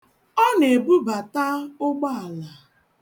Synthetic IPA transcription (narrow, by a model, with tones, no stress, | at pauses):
ɔ˦ne˨bu˦ba˨ta˦ʊ˦ɡ͡ba˦a˨la˨